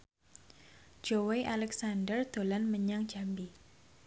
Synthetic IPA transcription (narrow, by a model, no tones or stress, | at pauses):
d͡ʒoweʔalɛksandərd̪̥o̤lanməɲaŋd͡ʒa̤mbi